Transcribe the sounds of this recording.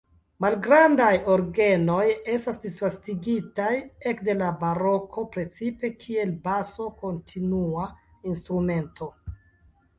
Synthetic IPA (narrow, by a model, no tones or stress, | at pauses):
malɡɾandajo̞ɾɡe̞no̞je̞stasdisfastiɡitaje̞kde̞labaɾo̞kʰo̞pɾe̞t͡sipe̞kʰie̞lbaso̞ko̞ntʰinua | instɾume̞nto̞